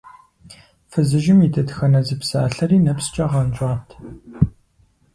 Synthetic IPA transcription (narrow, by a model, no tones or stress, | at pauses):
fɨzɨʒɪmidʰɐdxɐnɐzɨpsa̰ːɬɐriːnɐpst͡ʃʼɐʁɐnt͡ʃʼɑːtʰ